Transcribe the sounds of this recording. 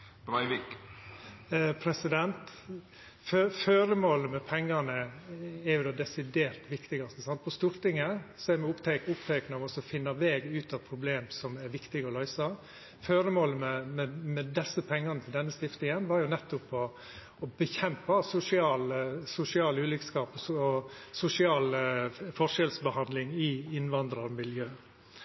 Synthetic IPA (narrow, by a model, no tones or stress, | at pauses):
bɾɑɪʋɪk | pʰɾɛsɪd̪ɛnt̪ | føføːɾəmoːləmɛpʰɛŋːɑnəɛɾjʊd̪ɑd̪ɛsɪd̪eːɾt̪ʋɪkt̪ɪɡɑst̪əsɑnt̪pʰɔst̪uːɾt̪ɪŋːəsɔæɾmɛʊpt̪ʰɛkʊpt̪ʰɛknəɑʋɔsɔfɪnːɑʋeːɡʉːt̪ʰɑʋpʰɾʊbleːmsɔmɛɾʋɪkt̪ɪɡɔlœʏsɑ | føːɾəmoːləmɛmɛmɛd̪ɛsːəpʰɛŋːɑɾnət̪ʰɪld̪ɛnːəst̪ɪft̪nɪŋənʋɑɾjʊnɛt̪ːʊpɔ | ɔbəçɛmpɑsʊsɪɑːlsʊsɪɑːlʉːlɪkskɑːpɔɔsʊsɪɑːlfɔʂɛlsbəhɑnd̪lɪŋɪɪnʋɑnd̪ɾɑɾmɪljøː